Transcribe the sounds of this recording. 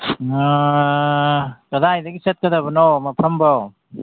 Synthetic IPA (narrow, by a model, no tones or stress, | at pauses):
kɐdajdɐɡiset̚kɐdabɐnomɐpʰɐmbo